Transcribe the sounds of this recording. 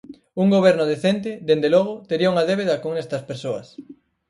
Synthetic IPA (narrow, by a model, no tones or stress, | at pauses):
uŋɡoβ̞ɛɾnʊðeθent̪̬ɪd̪end̪elɔɣ̞ot̪eɾiɐuŋɐðeβeðɐkoŋɛst̪ɐspeɾsoɐs